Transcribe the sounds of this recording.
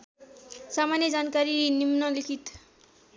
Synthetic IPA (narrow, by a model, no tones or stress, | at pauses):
samanjʌd͡zankaɾinimnʌlikʰit̪